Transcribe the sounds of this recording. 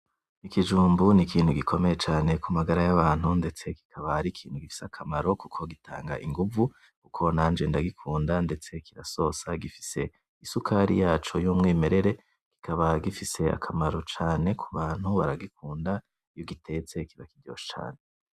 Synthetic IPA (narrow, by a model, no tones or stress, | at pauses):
ikid͡ʒuːmbunikʰiːnhuɡikʰo̞me̞je̞t͡ʃaːne̞kʰumaɡaɾajaβaːn̥hunde̞t͡se̞ki̥kʰaβaɾikʰiːn̥huɡifi̥sakʰamaɾo̞kukʰo̞ɡitʰa̰ːŋɡa̰ʔiŋɡuvu | kukʰo̞naːnd͡ʒe̞ndaɡikʰuːndande̞t͡se̞kiɾaso̞saɡifi̥se̞ | isukʰaːɾḭjaːt͡ʃo̞jomŋiːme̞ɾe̞ɾe̞ | ki̥kʰaβaɡifise̞a̰kʰamaɾo̞t͡ʃaːne̞kʰuβaːn̥huβa̰ɾaɡikʰuːnda | joɡitʰe̞t͡se̞kiβakidjo̞̰ːʃt͡ʃa̰ːne